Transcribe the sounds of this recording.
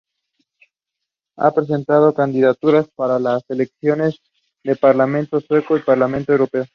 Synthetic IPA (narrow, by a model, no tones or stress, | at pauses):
a̰pɾe̞s̬e̞nt̪að̞o̞kand̪iðat̪uɾaspaɾalase̞le̞ksjo̞ne̞z | ðe̞paɾlamẽ̞nt̪o̞swe̞ko̞ipaɾlamẽnt̪oewɾo̞pe̞o